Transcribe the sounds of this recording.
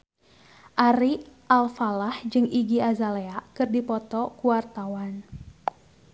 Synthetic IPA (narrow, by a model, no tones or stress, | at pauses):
ʔaɾiʔalfalahd͡ʒɨŋiɡiazaleakɨrdipɔt̪ɔkuwart̪awan